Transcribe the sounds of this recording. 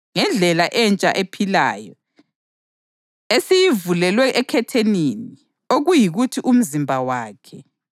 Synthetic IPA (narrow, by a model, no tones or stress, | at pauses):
ŋɛnd͡ɮʱɛlaʔɛnt͡ʃʼa̰ʔepʰila̰ːjɔ | esijivulɛlwɛʔɛkʰɛtʰenini | oɣujiɣutʰiʔum̩zimbʱawaːkʰɛ